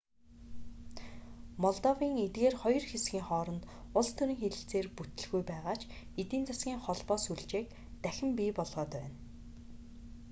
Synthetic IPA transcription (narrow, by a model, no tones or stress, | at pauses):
mɔɮt̪ɔwiːŋet̪ɡeːrχɔjɞ̆rxesɡiːŋχɔːɾɞ̆nt̪ʊɮst̪ʰːɵɾʲĭŋxeɮɘ̆ɬt͡seːrput̪ɘ̆ɮɣujpæːʁaːt͡ɕʰ | et̪iːnt͡sasɡʲiːŋχɔɮpɔːsuɮt͡ɕeːk̚ | t̪æxʲɪ̆mpʲiːpɔɮʁɔːt̪pæ̰ːn